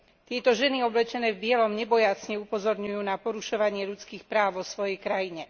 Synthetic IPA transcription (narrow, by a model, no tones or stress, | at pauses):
t̪ɪɛt̪ɔʒɛniɔblɛt͡ʃɛnɛːvbɪɛlɔmɲɛbɔjat͡sɲɛupɔzɔɾɲujuːnapɔɾuʃɔʋaɲɪɛʎut͡skiːxpɾaːʊʋɔsʋɔjɛjkɾajiɲɛ